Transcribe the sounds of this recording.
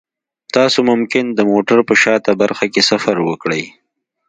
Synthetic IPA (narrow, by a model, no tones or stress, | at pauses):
t̪ɑsomʊmkɪnd̪əmoʈaɾpəʃɑt̪abaɾxakesafaɾwəkɽəj